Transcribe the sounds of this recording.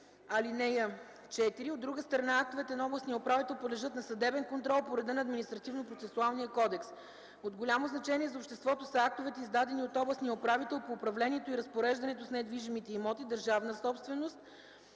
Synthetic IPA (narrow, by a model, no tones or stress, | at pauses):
ɐlinɛjə | t͡ʃɛt̪iɾiod̪ːɾuɡəst̪ɾɐnaak̚t̪ovɛt̪ɛnɐɔblˠəsnijəopɾavit̪ɛlˠpod̪lɛʒɤt̪nɐsɐd̪ɛbɛnkont̪ɾɔlˠpoɾɛd̪ənɐːd̪minist̪ɾɐt̪ivnopɾot̪sɛsualˠnijəkɔd̪ɛks | od̪ɡolʲamoznɐt͡ʃɛniɛzɐopʃt̪ɛst̪vɔt̪osɐak̚t̪ovɛt̪ɛizd̪ad̪ɛniot̪ɔblˠəsnijəopɾavit̪ɛlˠpoːpɾɐvlɛniɛt̪oiɾɐspoɾɛʒd̪ɐnɛt̪ʊsnɛd̪viʒimit̪ɛimɔt̪id̪əɾʒavnəsɔpst̪vɛnost̪̚